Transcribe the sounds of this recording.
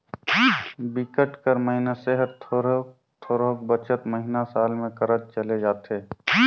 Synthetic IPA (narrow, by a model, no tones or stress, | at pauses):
bɪkəʈkəɾməɦɪnaseɦəɾt̪ʰoɾ | t̪ʰoːɾokbət͡ʃət̪məɦɪnasaːlmẽkəɾəd͡ʒt͡ʃəled͡ʒaːt̪eː